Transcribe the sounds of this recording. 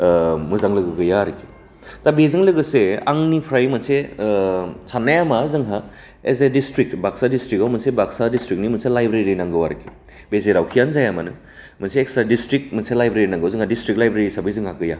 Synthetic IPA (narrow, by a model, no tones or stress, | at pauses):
mɯzaŋlɯɡɯɡɯjaɾikʰi̥ | tabezɯŋlɯɡɯsea̰ŋnipʰɾajmɐnse | sanːajamazɯŋɦa | ek̚zajdistɾik̚tbaksadistɾikawmɐnsebaksadistɾik̚nimɐselajbɾeɾɾinaŋɡɯwaɾɐkʰi̥ | bezeɾawkʰijanzajamanɯ | mɐseːksɾadistɾik̚mɐselajbɾeɾinaŋɡawzɯŋhadistɾik̚lajbɾeɾisabɐjzɯŋhakɯja